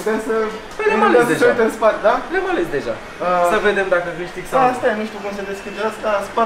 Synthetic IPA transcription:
t̪esə | leamaleesd̪eʒeat̪enspat̪d̪aleamalesd̪e̞ʒa̰ | əsəved̪emd̪akəviʃt̪iksaast̪ajaniʃt̪ʲukumsed̪eskʲid͡ʒeaskaspa

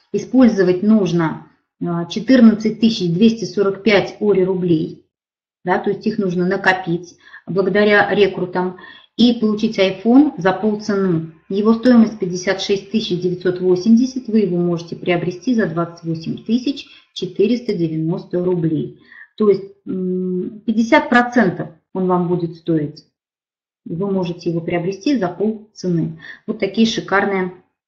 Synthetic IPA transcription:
ɪspo̞lʲzəvətʲnuʐnə | t͡ɕɪt̪ɨrnət̪sɨt̚ʲt̪ɨsʲɪt͡ɕd̪vʲesʲtʲɪso̞ɾəkpʲætʲo̞ɾʲɪɾʊblʲej | d̪at̪o̞ɪsʲtʲixnuʐnənəkɐpʲitʲ | blˠəɡəd̪ɐɾʲaɾʲekɾt̪əm | ipəlˠʊt͡ɕitʲɐjfo̞nzɐpolˠt̪sɨnu | jɪvo̞st̪o̞jɪməsʲtʲpʲɪdʲɪsʲat̪ʂɛsʲt̚ʲt̪ɨsʲɪt͡ɕdʲɪvʲɪt̪so̞t̪vo̞sʲɪmdʲɪsʲɪtʲvɨjɪvo̞mo̞ʐɨtʲɪpɾʲɪəbɾʲɪsʲtʲizɐd̪vat̪sɨ̥tʲvo̞sʲɪmʲt̪ɨsʲɪt͡ɕ | t͡ɕɪt̪ɨɾʲɪst̪ədʲɪvʲɪno̞st̪əɾʊblʲḛjt̪o̞jɪsʲt̚ʲ | pʲɪdʲːɪs̬ʲat̪̚pɾɐt̪sɛnt̪əf | o̞nvambudʲɪt̪st̪o̞ɪtʲ | vɨmo̞ʐɨtʲɪjɪvo̞pɾʲɪɐbɾʲɪsʲtʲizɐpo̞lˠt̪sɨnɨvo̞t̪ːɐkʲijəʂɨkarnɨjə

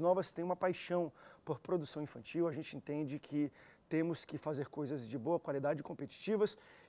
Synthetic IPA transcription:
nɔvɐst̪ẽj̃ũmɐpajʃɐ̃w̃poɾpɾod̪usɐ̃w̃ĩfɐ̃nt͡ʃiwɐʒẽnt͡ʃɪẽnt̪ẽnd͡ʒɪkʰɪt̪ẽmʊskɪfazeɾkojzɐzd͡ʒɪboɐkwalid̪ad͡ʒɪkõpet͡ʃi̥t͡ʃivɐs

